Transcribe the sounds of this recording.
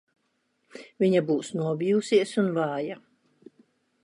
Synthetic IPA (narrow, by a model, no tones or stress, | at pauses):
viɲabuːsnuɔbiusiɛsunvɑːja